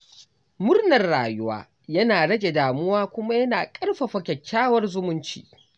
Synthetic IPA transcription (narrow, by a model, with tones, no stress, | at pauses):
mʊ˦rnɐ˨rːaː˨jʊ˦wa̰ː˦ | jɐ˦naː˨ɽɐ˦ɡʲe˨daː˨mʊ˦waː˦kʷʊ˦ma˦jɐ˦naː˨kʼɐ˦rɸa˨ɸɐ˨kʲɐ˨kʲːaː˦wɐ˦rzʊ˦mʊ˦nt͡ʃḭː˦